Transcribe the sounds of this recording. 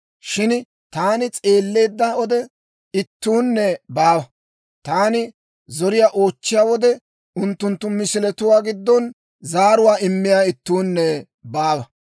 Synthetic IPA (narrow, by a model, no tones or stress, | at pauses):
ʃɪn | t̪aːnɪt͡sʼe̞ːlːe̞ːd̪ːɐɔd̪ɛ | ɪt̪ːuːnːɛbaːwɐ | t̪aːnɪ | zɔɾɪjaːʔo̞ːt͡ʃːɪjaːwɔd̪ɛ | ʊnt̪ːʊnt̪ːʊmɪsɪlɛt̪ʊwaːɡɪd̪ːɔn | zaːɾʊwaːɪmːɪjaːɪt̪ːuːnːɛ | baːwɐ